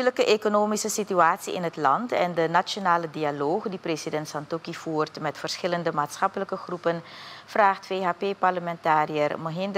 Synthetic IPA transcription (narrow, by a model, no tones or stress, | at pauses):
ləkəʔekonoːmisəsityaːtsiɪ̰nɦətlɑntɛ̰ndənaonaːlədialoːχdipresidɛntsɑntɔkiv̥uːrtmɛtfərsxɪləndəmaːtsxɑpələkəχrupənv̥raːχtfeːɦaːpeːpɑrləmɛntaːriərməɦɪnd